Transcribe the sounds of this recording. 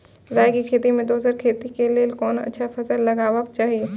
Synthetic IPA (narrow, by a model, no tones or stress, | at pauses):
ɾaːjkikʰeːt̪imẽd̪oːsəɾkʰeːt̪ikeleːlkɔːnɐ̰tːʃʰafʰɐsəlːɐɡaːʋək̚t͡ʃaːɦieː